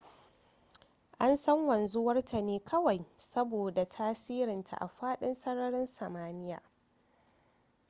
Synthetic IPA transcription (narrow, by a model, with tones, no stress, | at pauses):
ʔa˦nsɐ˦ŋwɐ˨nzu˦wɐ˦rta˨neː˦kʰɐ˦wa˨jsɐ˦boː˨da˨tʰaː˦siː˦ɾɪ˨ntʰa̰˨ʔa̰˨ɸaː˦ɗɪ˦nsɐ˦ɽɐ˦ɾɪ˦nsɐ˨maː˦nɪ˦ja̰ː˨